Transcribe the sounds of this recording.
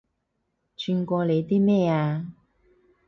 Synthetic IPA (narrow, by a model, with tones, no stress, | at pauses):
t͡ʃʰyː˧nkʷɔː˧le˨˧jt̪iː˥mɛː˥˩aː˧